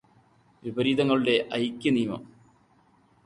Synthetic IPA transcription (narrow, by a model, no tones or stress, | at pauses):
ʋibɐɾiːd̪ɐŋːɐɭɨɽe̞ʔɐjkʲːɐniːmɐ̰m